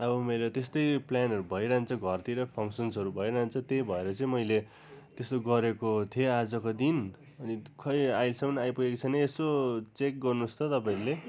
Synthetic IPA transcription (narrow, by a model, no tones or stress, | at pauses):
ʌbʌmeɾʌt̪est̪ʌjplanʌɾubʱʌjɾaɦnt͡sʰʌɡʱʌrt̪iɾʌpʰʌŋsʌnsʌɾubʱʌiɾaɦnt͡sʰʌt̪ebʱʌeɾʌt͡sʌĩmʌjle | t̪est̪oɡʌɾekot̪ʰiead͡zʌkod̪in | ʌnikʰʌjajlsʌmʌnajpuekit͡sʰʌnʌesot͡sek̚ɡʌrnust̪ʰʌt̪ʌpaĩɾule